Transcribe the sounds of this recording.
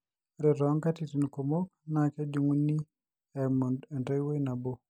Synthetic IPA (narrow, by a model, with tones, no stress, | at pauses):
ɾɪ˨ɾɔ˦ŋka˦ti˨tu˨nko˨mo˦k̚na˨kɛ˦d͡ʒu˨ŋuni˦ | ɛmudɛ˨nde˦jwe˦jna˨bo˨